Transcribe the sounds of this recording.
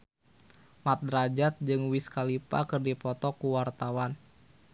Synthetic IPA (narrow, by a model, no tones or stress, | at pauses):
mat̪̚dɾad͡ʒat̪̚d͡ʒɨŋwiskalipa̰kɨrdipɔt̪ɔkuwart̪awan